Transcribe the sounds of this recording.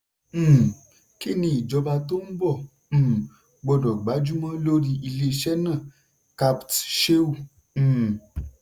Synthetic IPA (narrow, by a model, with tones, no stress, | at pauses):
ki˦˨nĩ˧i˨d͡ʒɔ˧˦ba˧to˦n̩˦bɔ̃˦˨˦ | ɡ͡bɔ˧dɔ˨ɡ͡ba˨˦d͡ʒu˦mã˦lo˦ɾi˧i˧le˧˦˧ʃɛ˦nã˦˨ | ka˧ptʃe˦ũ˦˨˦